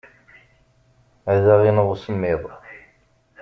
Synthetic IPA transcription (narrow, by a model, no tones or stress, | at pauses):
æðaʁinəʁusəmːiðˤ